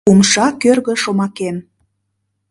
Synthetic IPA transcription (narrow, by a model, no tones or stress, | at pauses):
umʃɑkørɣə̆ʃomɑken